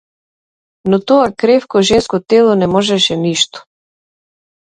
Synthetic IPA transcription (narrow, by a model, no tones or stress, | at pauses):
nɔt̪ɔakɾɛfkɔʒɛnskɔt̪ɛlˠɔnɛmɔʒɛʃɛniʃt̪ɔ̥